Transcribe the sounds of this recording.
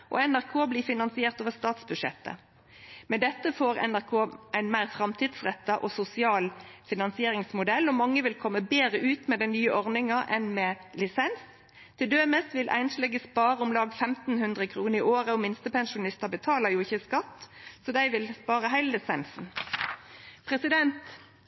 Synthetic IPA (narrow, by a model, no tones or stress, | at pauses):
ʔɔ̰ɛnæʁkʰoːbliːfɪnɑnsɪeːʁt̪oːʋəst̪ɑːt̪sbʉʂɛ̰t̪ːə̰ | mɛd̪ɛt̪ːəfoːʁɛ̰næʁkʰoːʔæɪnmæɪʁfɾɑmt̪ʰiːd̪sʁɛt̪ːɑʔɔsʊsɪɑːlfɪnɑnsɪeːʁɪŋsmʊd̪ɛlːɔmɑŋːəʋɪlkʰɔmːəbeːʁəʔʉːt̪mɛd̪ænyːəʔɔʁnɪŋɑʔɛnmɛlɪsɛns | t̪ʰɪld̪øːməsʋɪlʔæ̰ɪnslɛɡəspɑːʁəʊmlɑːɡfɛmt̪n̩hʉnd̪ʁəkʰɾuːnəɪʔoːʁəɔmɪnst̪əpɛnʃʊnɪst̪əbət̪ʰɑːləjʊɪçəskɑt̪ːsɔd̪æɪʋɪlspɑːʁəɦæɪllɪsɛnsn̩ | pʰʁɛsɪd̪ɛnt̪